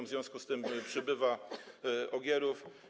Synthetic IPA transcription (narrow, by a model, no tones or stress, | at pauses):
mzvʲjɔ̃w̃skust̪ɘmpʂɘbɘva | ʔɔɡʲjɛɾuf